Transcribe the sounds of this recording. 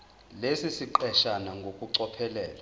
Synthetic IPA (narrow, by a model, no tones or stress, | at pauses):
lesisiǃɛʃanaŋɡʱokʼuǀɔpʰɛlɛːla